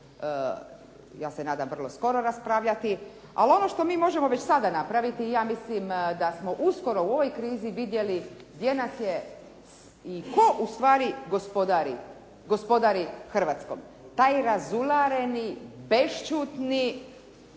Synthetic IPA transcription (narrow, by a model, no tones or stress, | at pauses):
jaːsenaːd̪amʋrlˠo̞sko̞ɾo̞ɾaspɾaʋʎat̪i | a̰lo̞no̞ʃt̪o̞miːmo̞ʒemo̞ʋet͡ɕsad̪anapɾaʋit̪iːjaːmislimd̪asmo̞ʔusko̞ɾo̞uo̞ʋo̞jkɾiːziʋid̪je̞liɡd̪je̞nasje | iko̞ʔust̪ʋaːɾiɡospod̪aɾi | ɡo̞spo̞d̪aɾixr̩ʋaːt̪sko̰m | t̪aːjɾazulaɾenibe̞ʃt͡ʃuːt̪ni